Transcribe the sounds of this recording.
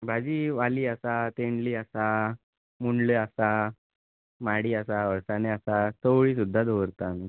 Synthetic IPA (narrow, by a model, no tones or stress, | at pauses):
bʱad͡ʑiːʋaliːəsat̪eɳliːəsa | muɳleəsa | maɽiːəsaʋəɭsaneəsat̪əʋɭiːs̬ud̪ʱːad̪ʱoʋəɾt̪ami